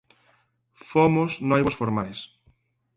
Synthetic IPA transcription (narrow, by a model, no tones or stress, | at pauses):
fomosnojβosfoɾmajs